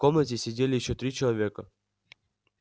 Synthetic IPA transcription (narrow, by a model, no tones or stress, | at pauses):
komnətʲɪsʲɪdʲelʲɪjɪɕːot̪ɾʲit͡ɕɪlˠɐvʲekə